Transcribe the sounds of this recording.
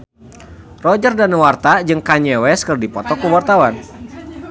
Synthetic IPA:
rɔd͡ʒərdanwart̪ad͡ʒɨŋkaɲɛwɛskərdipɔt̪ɔkuwart̪awan

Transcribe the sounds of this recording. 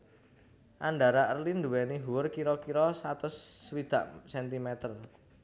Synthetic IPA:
ʔanɖaɾaʔərlind̪uwɛniɦuwʊrkiɾɔkiɾɔsat̪ʊsːwid̪̥a̤̰ʔsɛnt̪imɛt̪ər

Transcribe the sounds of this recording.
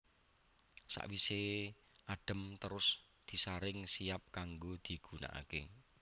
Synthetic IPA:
sa̰ʔwise | ʔaɖ̥ə̤mt̪əɾʊs | d̪̥i̤saɾɪŋsiap̚kaŋɡod̪̥i̤ɡ̥una̰ʔa̰ke

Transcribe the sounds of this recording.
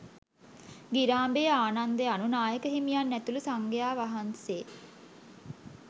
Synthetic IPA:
ɡiɾaːmbeaːnand̪eanunaːjəkəɦimijanːæt̪ulusaŋɡejaːʋaɦanseː

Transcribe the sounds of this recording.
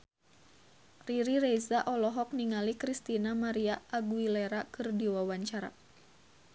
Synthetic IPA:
riɾiɾezaʔɔlɔɦɔk̚niŋalikɾist̪inamaɾiaʔːɡuileɾakɨrdiwawaɲt͡ʃaɾa̰

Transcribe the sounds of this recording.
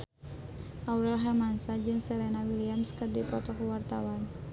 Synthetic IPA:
ʔauɾɛlɦɛmansad͡ʒɨŋsəɾɛnawiliamskərdipɔt̪ɔkəwart̪awan

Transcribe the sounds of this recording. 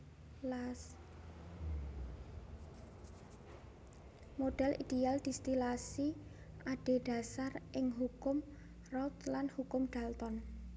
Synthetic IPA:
moɖ̥ɛlʔid̪̥eald̪̥i̤st̪ilasi | ʔaɖ̥e̤ɖ̥a̤sarʔɪŋɦukʊm | rɔt̪lanhukʊmɖ̥a̤lt̪ɔn

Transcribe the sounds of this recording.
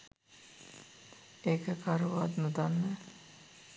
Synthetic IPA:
ekəkaɾuʋat̪nud̪anːə

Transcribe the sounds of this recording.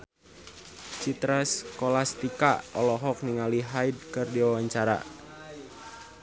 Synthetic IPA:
t͡ʃit̪ɾaskolast̪ika̰ɔlɔɦɔk̚niŋaliɦaid̚kɨrdiwawaɲt͡ʃaɾa̰

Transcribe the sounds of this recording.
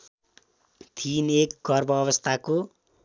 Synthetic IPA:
t̪ʰinekɡʌrbʌːβʌst̪ʰako

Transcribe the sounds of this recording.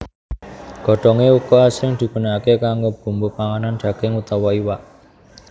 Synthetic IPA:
ɡ̥ɔ̤ɖ̥ɔ̤ŋeukɔasɪŋd̪̥i̤kṳnakekaŋɡob̥ṳmbupaŋanand͡ʒ̥ä̤ɡ̥ɪŋut̪awɔiwaʔ

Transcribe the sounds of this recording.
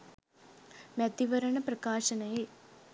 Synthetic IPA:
mɐd̪iʋɐɾɐɳɐprɐkaːʂɐnɐje

